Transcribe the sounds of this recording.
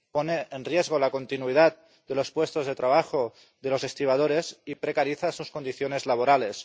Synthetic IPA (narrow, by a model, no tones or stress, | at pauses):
poneenrjezɣ̞olako̞nt̪inuið̞at̪̚ | d̪elo̞spwest̪o̞zðet̪ɾaβaxo | ðe̞lo̞sest̪iβ̞að̞oɾesipɾekaɾiθasuskond̪iθjone̞zlaβ̞oɾale̞s